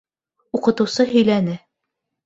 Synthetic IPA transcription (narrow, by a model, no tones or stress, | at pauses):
uqɤ̆t̪ɤ̆wsɤɦɵ̆jlænɘ